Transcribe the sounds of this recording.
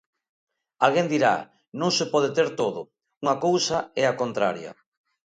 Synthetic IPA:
alɣend̪iɾa̰ | nõŋsepɔð̞et̪eɾt̪oðʊ | uŋakowsaɛakont̪ɾaɾjɐ̰

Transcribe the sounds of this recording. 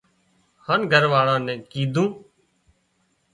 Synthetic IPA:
haːnɡʱəɾʋaːɭãːnɛ̃ːkiːd̪ʱũː

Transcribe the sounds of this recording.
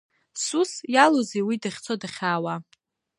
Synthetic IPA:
susjalozejwidaχʲt͡sʰodaχʲaːwa

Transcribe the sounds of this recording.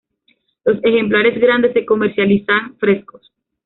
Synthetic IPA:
lo̞se̞xe̞mplaɾe̞zɣɾand̪e̞se̞ko̞meɾsjalisanfɾe̞sko̞s

